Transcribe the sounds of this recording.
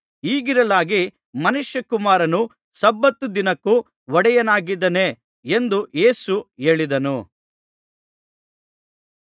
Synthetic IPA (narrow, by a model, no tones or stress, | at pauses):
iːɡiɾɐlaːɡi | mɐnuʃjɐkumaːɾɐnu | sɐbːɐt̪ːud̪inɐkːu | ʋɔɽɛjɐnaːɡid̪ɐne̞ | end̪ue̞ːsue̞ːɭid̪ɐnu